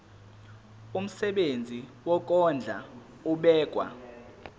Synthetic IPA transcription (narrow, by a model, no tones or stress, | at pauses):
um̩sɛɓend͡zʱiwɔk̬ʼɔnd͡ɮʱa̰ | uɓɛːk̬ʼwa̰